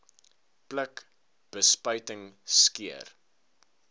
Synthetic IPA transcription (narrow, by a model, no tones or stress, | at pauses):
plək | b̥əspəɥtəŋskiə̰r